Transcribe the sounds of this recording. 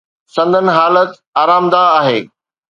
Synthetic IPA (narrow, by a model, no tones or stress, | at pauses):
sɐ̃nd̪ʱənɪ̆ɦaːlət̪ | aːɾaːmd̪aːɦeː